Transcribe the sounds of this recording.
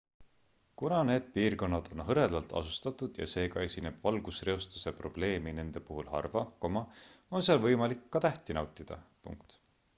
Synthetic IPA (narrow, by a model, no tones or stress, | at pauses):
kunɑne̞ːd̪̥̚piːrko̞nːɑd̪̥o̞nɦɤɾe̞lɑlt̪ˑɑ̰sust̪ɑt̪ːˑud̪̥jɑ̰se̞ːɡɑe̞sʲine̞b̥vɑlɡ̥usre̞o̞st̪u̥se̞pro̞b̥le̞ːmine̞nd̪̥e̞puɦulhɑ̰rvɑko̞mɑo̞nseɑlvɤjmɑlikːɑt̪æht̪inɑwt̪ˑid̪̥ɑ̰pṵŋkt̪